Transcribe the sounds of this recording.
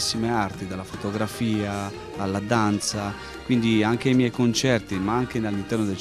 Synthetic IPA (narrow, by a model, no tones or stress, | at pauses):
sːimeart̪id̪alːafot̪oɡɾafiːaː | lːad̪ant̪sa | kwind̪iaŋkejmjɛjkont͡ʃɛrt̪imaaŋk̟enalːint̪ɛrnod̪el